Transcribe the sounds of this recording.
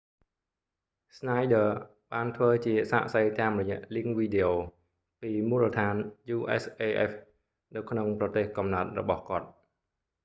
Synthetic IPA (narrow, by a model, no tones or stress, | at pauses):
snajɗəː | ɓaːnt̪ʰʋəːt͡ɕiəsa̰ːʔsəjt̪aːmrɔjɛ̆əʔliəŋʋiːɗeʔoː | piːmuːlət̪ʰaːnjuːʔɛ̰sʔeːʔɛ̰f | nɨwkʰnoŋprɑt̪eːhkɑmnaət̪̚rɔ̰ɓɑhkŏət̪̚